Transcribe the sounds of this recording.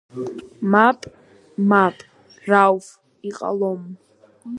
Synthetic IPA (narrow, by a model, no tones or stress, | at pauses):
mapʼ | mapʼ | rawf | iqʼa̰lom